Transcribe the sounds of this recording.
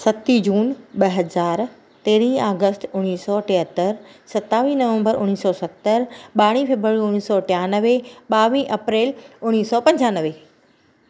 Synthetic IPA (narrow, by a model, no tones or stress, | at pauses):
sɐt̪id͡ʑuːnɓɐɦɐzaːɾ | t̪eːɾĩaːɡəsʈʊɽ̃iːsɔːʈeɦət̪əɾsɐt̪aːʋiːnɐʋə̃mbəɾʊñiːsɔːsɐt̪ːəɾɓaːɽ̃ĩfeːbɾaːɾiʊniːsɔʈejaːnəʋeɓaːʋĩːʔɐpɾeːlʊñiːsɔpɐ̃ɲd͡ʑaːnəʋe